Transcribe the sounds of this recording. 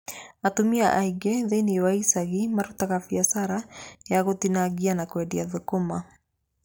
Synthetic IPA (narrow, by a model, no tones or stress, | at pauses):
atomiaʔaiɡɛðɛniwaisaɣimaɾutaɣafiasaɾajaɣotinaɡianakwɛdiaðukoma